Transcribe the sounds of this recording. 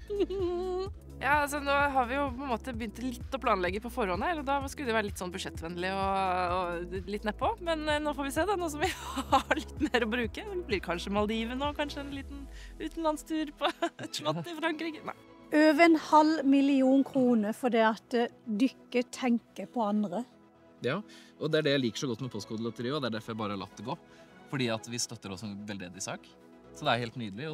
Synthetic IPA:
jɑːɑls̬ɔnoːɦɑɾʋɪjʊpʰɔɛnmoːt̪əbəʏnt̪lɪt̪ːɔpʰlɑːnlɛɡːəpʰɔfɔɾhɔnːəhæːɾɔd̪ɑskʉləd̪ɛʋæːɾəlɪt̪ːsɔnːbʉʂɛt̪ːʋɛnlɪɔɔlɪt̪ːnɛpʰːɔmɛnnoːfɔɾʋɪseːd̪ɛnuːs̬ɔmʋɪhɑɭɪt̪ːmeːɾɔbɾʉːkəblɪɾkʰɑnʂəmɑld̪iːʋənoːkʰɑnʂəɛnliːt̪nʉːt̪n̩lɑnst̪ʰʉːɾpʰɔɛt̪ʂlɑɪfɾɑŋkɾiːkənæ̰ | øːʋəɛnhɑlmɪlɪuːnkʰɾuːnəfɔɖ̪iːɑt̪̚d̪ʏkːət̪ʰɛŋkəpʰɔɑnd̪ɾə | jɑːʔɔd̪ɛæɖɛjæɪliːkə̥ʂɔɡɔt̪ːmɛpʰɔst̪kʰuːd̪əlɔt̪əɾiːɔd̪ɛæɖ̪æɾfɔɾjæɪbɑːɾəhɑɭɑ̰t̪ːɛɡoː | fɔɖiːɑt̪ʋɪst̪œt̪ːəɾɔsʋɛld̪eːd̪ɪsɑːk | sɔd̪ɛæɾheːlt̪nyːd̪əlɪɔ

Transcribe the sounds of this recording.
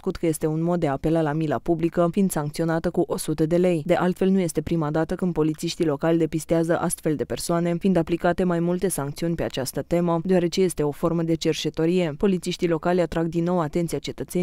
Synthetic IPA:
skut̪kəje̞st̪e̞unmot̪̚d̪eape̞lalamila̰publikəfind̪saŋkt̪sio̞nat̪əkuʔo̞sut̪əd̪e̞le̞jd̪e̞ʔalt̪fe̞lnuje̞st̪e̞pɾimad̪at̪əkɨnd̪̚po̞lit̪siʃt̪ilo̞kalʲd̪e̞pist̪eazəʔast̪fe̞ld̪e̞pe̞rsoane̞find̪aplikat̪e̞majmult̪e̞saŋkt̪siunʲpe̞at͡ʃast̪ət̪e̞məd̪eoaɾe̞t͡ʃe̞je̞st̪e̞o̞fo̞rməd̪e̞t͡ʃe̞rt͡ʃe̞t̪o̞ɾije̞po̞lit̪siʃt̪ilo̞kalʲat̪ɾaɡ̚d̪inːo̞wat̪ent̪siat͡ʃe̞t̪ət̪se

